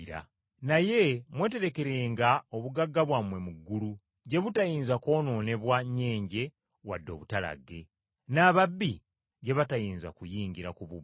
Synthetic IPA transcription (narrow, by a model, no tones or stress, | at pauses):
ɾa̰ | naje̞mwe̞ːte̞ɾe̞ke̞ɾe̞ːŋɡaoβuɡaɡːaβwamwe̞muɡːulu | ɟe̞βutajiːnzako̞ːno̞ːne̞βwaɲe̞ːɲɟe̞ | wadːo̞̰ːβutala̰ɡe̞ | naːβabːi | ɟe̞βatajiːnza̰kujiːɲɡiɾakuβu